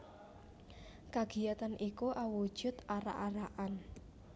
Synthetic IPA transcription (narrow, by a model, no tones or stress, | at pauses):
kaɡ̥i̤jat̪anʔikuʔawu̥ʒ̥ʊ̤t̪aɾa̰ʔaɾaʔan